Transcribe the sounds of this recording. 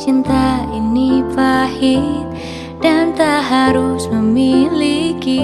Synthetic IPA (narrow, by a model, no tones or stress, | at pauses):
t͡ʃint̪ainipahit̪̚ | d̥ant̪aɦaɾusməmiliki